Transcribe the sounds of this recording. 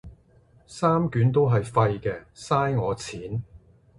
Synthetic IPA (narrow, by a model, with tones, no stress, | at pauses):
saː˥mkyː˨˥nt̪o˥wɦɐ˨jfɐ˧jkɛː˧saː˥jŋɔː˨˧t͡sʰiː˨˥n